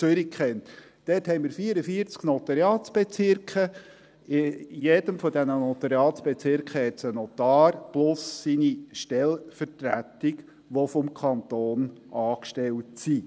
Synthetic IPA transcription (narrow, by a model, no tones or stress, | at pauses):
t͡søɾikχɛnt | d̥ɛːthɛɪmɪɾfiəɾəfiəɾt͡sknɔt̪ɑɾjɑːtsb̥ɛt͡sɪɾkχə | ɪjɛd̥əmfɔdɛnənɔt̪ɑɾjɑːtsb̥ɛt͡sɪɾkχəhɛtsənɔt̪ɑːɾplʊsːiniʃtɛlfərtɾæ̰tik | ʋɔfɔmkʰɑnt̪oːnʔɑːkʃtɛltsi